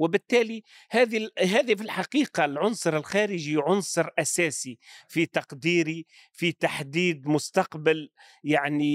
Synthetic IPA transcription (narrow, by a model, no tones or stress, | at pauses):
wɪbɪt̪ːæːli | hæːðiɦæːðifilħaqiːqɑlʕʊnsˤʊɾɪlxæːɾɪʒiʕʊnsˤɨɾʔæsæːsifit̪ɑqd̪iːɾi | fit̪aħd̪iːd̪mʊst̪ɑqbɪl | jaʕni